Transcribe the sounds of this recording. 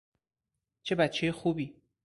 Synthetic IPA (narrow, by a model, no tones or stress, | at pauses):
t͡ʃʰe̞bæt̪t͡ʃʰːejexuːbiː